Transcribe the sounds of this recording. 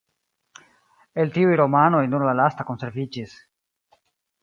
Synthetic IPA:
eltiujɾo̞mano̞jnuɾlalastako̞nse̞ɾvid͡ʒis

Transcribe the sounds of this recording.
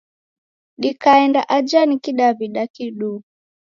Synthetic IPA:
ɗikaɛndaʔad͡ʒanikiɗaβiɗakiɗuu

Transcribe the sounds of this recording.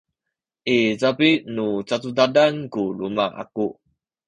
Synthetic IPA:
ʔizapinut͡satudadankulumaʔa̰ku

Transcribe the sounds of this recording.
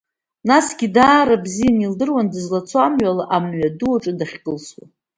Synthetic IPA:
nasɡʲidaːɾabzijanildɨrwandɨzlat͡sʰamɥalaʔamɥaduaʈ͡ʂʼɨdaχʲkʼɨlswa̰

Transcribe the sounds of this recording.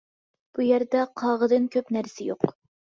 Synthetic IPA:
b̥ujæɾd̪ɛqʰɑːʁəd̪ɨnkʲʰøpnæɾsɪjoq

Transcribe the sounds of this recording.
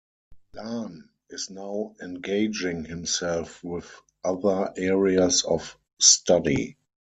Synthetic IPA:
lãn | ɪsnaʊɛ̃nɡeɪd͡ʒɪ̃ŋhɪ̃msɛlfwɪð | ʔaðə˞ʔɛɹiasɔf | stadḭ

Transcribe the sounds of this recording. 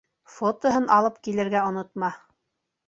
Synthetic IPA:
fot̪ŏɦɤnʔɑlˠɤp̚kilɘ̆ɾɡæŏnŏt̪mɑ

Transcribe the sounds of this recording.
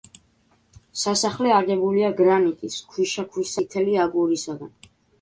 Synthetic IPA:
sasaχlɛaɡɛbuliaɡɾanik̪ʼiskʰwiʃakʰwisit̪ʰɛliaɡuɾisaɡa̰n

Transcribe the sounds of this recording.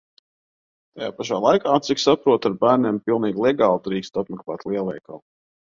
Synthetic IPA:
t̪aja̰ːpaʃaːlˠajkaːt̪siksapɾuɔt̪aɾbæːɾnʲeːmpilˠniːɡlˠɛɡaːlˠd̪ɾiːkʲst̪at̪mɛklˠa̰ːt̪lˠiɛlˠɛjka̰lˠ

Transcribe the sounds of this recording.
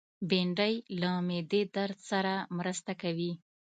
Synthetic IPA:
beɳɖəjlamed̪ed̪aɾdsaɾamɾəst̪akawi

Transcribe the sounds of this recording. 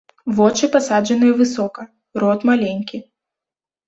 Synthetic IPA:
vɔt͡ʂɨpasad͡ʐɐnɨjɐvɨsɔkɐ | ɾɔt̪malʲenʲkʲi

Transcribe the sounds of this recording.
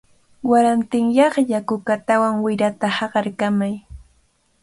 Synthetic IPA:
waɾant̪ɪŋjɑχʎakʊkat̪awaŋwɪɾat̪ahɑɢɑɾkamaj

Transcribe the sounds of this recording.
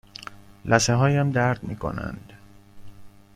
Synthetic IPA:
lʔæseɦɒːjæmd̪æɾd̪̥miːkʰo̞̰næ̰nd̪̥

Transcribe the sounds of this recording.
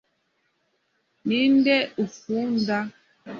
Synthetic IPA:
min̩dɛufun̩da

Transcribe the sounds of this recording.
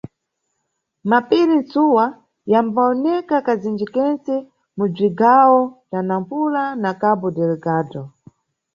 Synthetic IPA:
mapilint͡suwa | jambaɔnɛkakazind͡ʒikɛnt͡sɛ | mub͡ʐiɡawɔtanampulanakabɔdɛlɛɡaːdɔ

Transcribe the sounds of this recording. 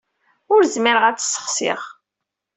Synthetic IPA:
ʊɾzmiɾəʁæt͡sːsːə̥χsɪ̰ʁ

